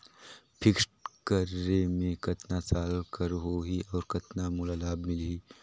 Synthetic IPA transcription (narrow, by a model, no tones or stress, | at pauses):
pʰɪksʈkəɾːemẽkɐt̪nasaːlkəɾɦoɦiɔːɾkɐt̪namʊlalaːbmɪlɦiː